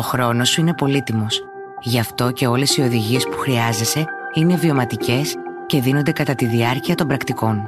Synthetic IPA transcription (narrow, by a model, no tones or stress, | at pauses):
o̞xɾo̞no̞suine̞po̞lit̪imo̞s | ʝɐft̪o̞ce̞o̞le̞sio̞ðiʝie̞spu̥xɾiɐze̞se̞ine̞vio̞mɐt̪ice̞sce̞ðinond̪e̞kɐt̪ɐt̪iðiɐɾciɐt̪o̞mbɾɐkt̪iko̞n